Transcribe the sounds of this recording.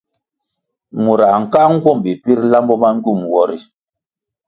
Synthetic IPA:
mu˨ɾa˨ŋ̩˨ka˦ŋ̩˦ɡwɔ˦˨mbi˨pi˦ɾla˦mbɔ˦ma˦ŋ˦ɡu˦˨mwɔ˦˨ɾi˨

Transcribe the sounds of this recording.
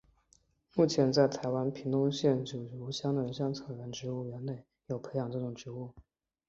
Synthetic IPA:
mu˥˩t͡ɕʰjɛ˧˥nt͡sa˥˩ɪt̪ʰa˧˥ɪwa˥npʰi˧˥ŋt̪ʊ˥ŋɕjɛ˥˩nt͡ɕu˨˩ɻu˧˥ɕjɑ˥ŋd̪ə˨˩˧ɕjɑ˥ŋt͡sʰɤ˨˩ŋɻə˧˥nʈ͡ʂɻ̩˧˥u˥˩ɥɛ˧˥nne˥˩ɪ | jo˨˩ʊpʰe˧˥ɪjɑ˨˩ŋʈ͡ʂɤ˥˩ʈ͡ʂʊ˨˩ŋʈ͡ʂɻ̩˧˥u˥˩

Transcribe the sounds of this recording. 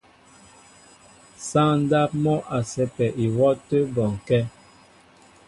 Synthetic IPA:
sa˦ŋn̩˦da˦p̚mɔ˦ʔa˨sɛ˨pɛ˨ʔi˨wɔ˦tə˦bɔ˨ŋ˨kɛ˦

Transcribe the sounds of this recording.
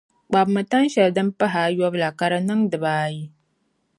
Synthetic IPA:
k͡pa˨bma˨ta˦n˦ʃɐ˨dɐ˦mpa˦ɦa˨˦ja˦bla˨ka˦ɾa˦nɨ˦ŋdɨ˨baː˦ji˦

